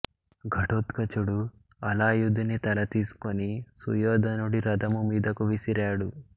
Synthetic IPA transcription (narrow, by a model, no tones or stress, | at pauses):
ɡʱɐʈot̪kɐt͡ʃuɽu | ɐlaːjud̪ʱinit̪ɐlɐt̪iːsu̥konisṵjɔːd̪ɐnuɽiɾɐd̪ɐmumiːd̪ɐkuʋisiɾaːɽu